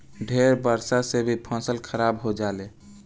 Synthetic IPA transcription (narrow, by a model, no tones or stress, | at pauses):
ɖʱeɾbəɾsasebʱipʰə̃səlkʰəɾabɦod͡ʒale